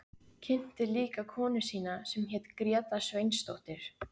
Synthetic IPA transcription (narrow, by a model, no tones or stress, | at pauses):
cʰɪn̥t̪ɪliːkakʰɔːnɪ̥siːnasɛmçɛːt̪kɾjɛːt̪asvejnst̪owht̪ɪɾ̥